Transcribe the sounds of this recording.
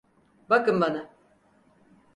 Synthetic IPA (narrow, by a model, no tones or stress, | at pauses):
bakɯnbana